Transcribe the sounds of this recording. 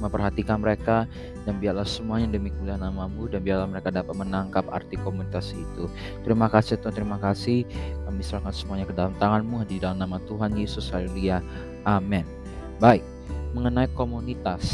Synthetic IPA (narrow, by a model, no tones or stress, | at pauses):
məmpərɦat̪ikanməɾeka | danbiarlahsəmuaɲadəmikulahnamamudanbiarlahməɾekadapat̪̚mənaŋkapa̰rt̪ikomunit̪asit̪u | t̪əɾimakasit̪ɔt̪əɾimakasɪhamisɾakansəmuaɲakədalamt̪aŋanmuɦadidalamnamat̪uɦanjesʊsaɾilia | ʔamɛn | baɪk̚ | məŋənaikomunit̪as